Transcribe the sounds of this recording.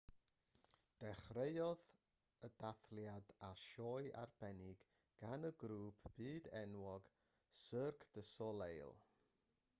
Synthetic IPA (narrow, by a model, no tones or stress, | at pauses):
d̥ɛχreɨɔð | ədaθljadaʃɔːɨʔa̰rb̥ɛnɪɡ̥ | ɡ̥anəɡɾuːpʰb̥iːdɛnwɔɡ̥ | sərkʰd̥əsɔlˠejlˠ